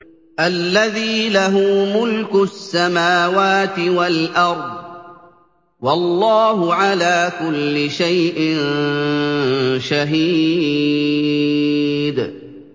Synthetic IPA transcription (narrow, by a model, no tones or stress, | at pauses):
ʔalːaðiːlaɦuːmʊlkʊsːamaːwaːt̪ɪwalʔɑɾˤd̪ˤ | wɑlːɑːɦʊʕalaːkʊlːɪʃajʔɪnn | ʃaɦiː | d̪